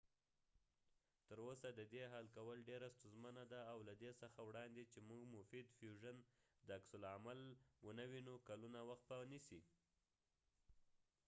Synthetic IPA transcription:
t̪əɾosad̪əd̪eɦalkawəlɖeɾast̪uzmanad̪aːwlad̪esəxawɽɑnd̪et͡ʃemuɡmʊfid̪fjuʒənd̪əaksʊlamalwənawinokalunawaxt̪̚panisi

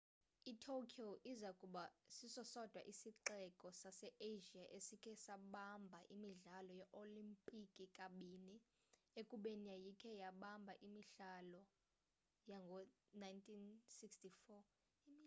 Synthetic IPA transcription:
itʰokʰioʔizakʼuɓasisɔsɔd̥ʱwa̰ʔisiǃɛkʼɔsasɛʔeʒiaʔesikʰɛsaɓambʱaʔimiɮalɔjɛʔolimpʼikʼikʼaɓini | ekʼuɓenijajikʰɛjaɓambʱaʔimiɬalɔ | jaŋɡʱɔnajntʰʼinsikstʰifɔ

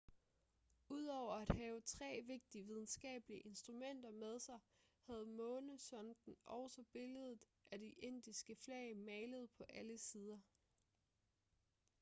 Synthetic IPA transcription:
uð̰ˠɒʊ̰ɐæd̥hɛːʊət͡sʰʁɛ̰ːʋe̝ɡ̥̚d̥iəʋið̞ˠn̩sɡ̥ɛ̰ːb̥əliəʔe̝nsd̥ʁumen̰d̥ɐmeð̞ˠsɑ̈ɪ | hæð̞̩ˠmɔ̽ːnəsɒ̽nd̥n̩ʔɒʊsɒb̥e̝ləð̩ˠ | ʔæd̥iʔe̝n̰d̥isɡ̥əflɛɪəmɛɪləð̞̩ˠpʰɒ̽ʔæləsiːð̞ˠɐ

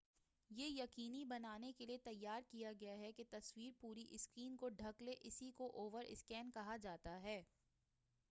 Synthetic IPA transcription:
jeːjɐqiːnibɐnaːnekeliet̪ɐjːaːɾkijaɡɐjaɦɛket̪ɐswiːɾpuːɾiʔɪskɾiːnkoɖʱɐkleʔɪsikoʔoːʋəɾɪ̰skɛːnkɐɦad͡ʒaːt̪aɦɛː

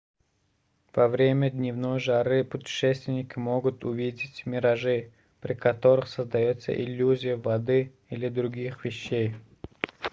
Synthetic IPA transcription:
v̥ɐvɾʲemʲəd̪ʲnʲɪvnojʐaɾɨəpʊtʲɪ̥ʂɛsʲt̪vʲɪnʲɪkʲɪmoɡʊt̪ʰʊvʲidʲɪtʲmʲɪɾɐʐɨ | pɾʲɪkɐt̪o̞ɾɨxsəzd̪ɐjut̪sə̰ʔɪlʲːuzʲɪjəvɐd̪ɨ | ilʲɪd̪ɾʊɡʲixvʲɪɕːej

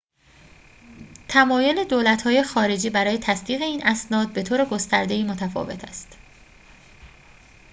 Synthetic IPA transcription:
t̪ʰæmɒːjo̞le̞d̪oːlæt̪hɒːje̞xɒːɾe̞d͡ʒiːbæɾɒːje̞t̪ʰæsd̪iːɣe̞iːnʔæsnɒːd̪̚be̞t̪ʰoːɾe̞ɡo̞st̪æɾd̪e̞iːmo̞t̪ʰæfɒ̰ːve̞̰t̪ʰæ̰st̪

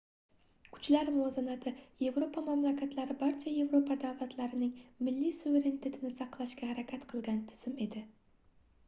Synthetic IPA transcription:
kʰʊ̥t͡ʃlaɾmʊazanat̪ʰɪje̞vɾo̞pʰamamlakʲʰat̪laɾɪbaɾt͡ʃʰaje̞vɾopʰad̪avlˠat̪ʰlaɾɪnɪŋmɪlːisuve̞ɾe̞nit̪ʰe̞t̪ʰɪnɪsɑqlˠaʃɡʲahaɾakʲʰat̪qʰɨlˠɡʲant̪ʰɪ̥z̥ɪme̞d̪ɪ

